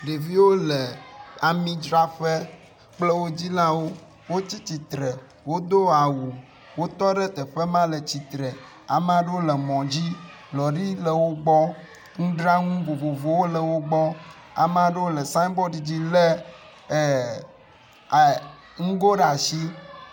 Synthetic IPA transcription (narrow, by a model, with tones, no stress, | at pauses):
ɖe˨vi˦wo˦le˨a˨mĩ˦d͡ʒɾa˦ɸe˦ | k͡plɛ˦wo˦d͡ʑi˦lã˦wo˦ | wo˦t͡ɕi˦t͡ɕi˨t̪ɾɛ˨ | wo˦d̪o˦a˨wu˨ | wo˦t̪ɔ˦ɖɛ˦t̪ɛ˨ɸɛ˦mã˦le˨t͡ɕi˨t̪ɾɛ˨ | a̰˨me˦a˨ɖe˦wo˦lɛ˨mɔ̃˨d͡ʑi˦ | lɔ˨ɖi˦lɛ˨wo˦ɡ͡bɔ˦ | ŋũ˦ɖɾa˦ŋũ˦vo˨vo˨vo˨wo˦lɛ˨wo˦ɡ͡bɔ˦ | a̰˨m˦a˨ɖe˦wo˦le˨sa˦ĩ˦bɔ˦ɖi˨d͡ʑi˦le˦˨ | ŋ̩˦ɡo˦ɖa˨si˦